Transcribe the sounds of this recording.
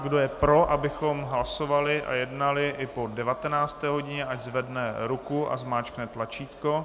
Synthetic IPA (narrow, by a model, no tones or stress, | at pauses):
ɡdo̞jɛpɾo̞ʔabɪxo̞mɦlaso̞valɪʔa̰jɛdnalɪʔɪpo̞dɛvat̪ɛnaːt͡st̪ɛːɦo̞ɟɪɲɛʔaɟzvɛdnɛɾukuʔa̰zmaːt͡ʃknɛt̪lat͡ʃiːt̪ko̞